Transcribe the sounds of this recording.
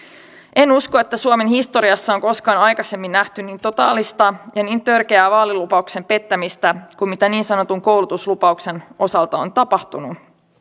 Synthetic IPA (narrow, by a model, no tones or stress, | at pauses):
ʔe̞nuskoe̞t̪ːæsuome̞nhist̪o̞ɾiɑsːɑoŋko̞skɑːnɑjkɑse̞mːinːæht̪yniːnt̪o̞t̪ɑ̰ːlist̪ɑjɑniːnt̪ørke̞æːʋɑːlilupɑukse̞mpe̞t̪ːæmist̪ækummit̪æniːnsɑno̞t̪uŋko̞wlut̪uslupɑukse̞nʔo̞sɑlt̪ɑo̰nt̪ɑpɑht̪unu